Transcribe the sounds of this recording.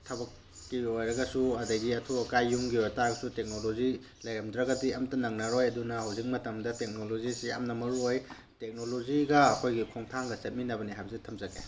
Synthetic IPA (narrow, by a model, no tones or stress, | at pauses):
tʰɐbɐkː | iojɾɐɡɐsuɐdɐɡiɐtʰuɐkajːuŋɡiojtaɡɐsutek̚nolozi | lɐjɾɐmdɾɐɡɐdiɐmtɐnɐŋnɐɾojɐdunɐhawzik̚mɐtɐmdɐtek̚nolozisiɐ̰mnɐmɐɾuoj | tek̚noloziɡɐːkʰojɡikʰoŋtʰaŋɡɐset̚minɐbɐniɦajbɐsitʰɐmzɐɡḛ